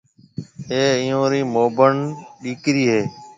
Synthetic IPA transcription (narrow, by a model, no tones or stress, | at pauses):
eːiːjõːɾiːmoːbəɳɗiːkɾiːɦeː